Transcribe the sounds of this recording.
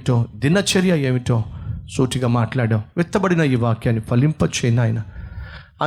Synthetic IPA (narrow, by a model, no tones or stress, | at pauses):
ʈoːd̪inɐt͡ʃɐɾjɐeːmiʈoːsuːʈiɡaːmaːʈlaːɽɐmʋɛt̪ːɐbɐɽinɐiːʋaːkjaːnːipʰɐlimpɐt͡ʃɛjnaːjɐnɐ | ɐ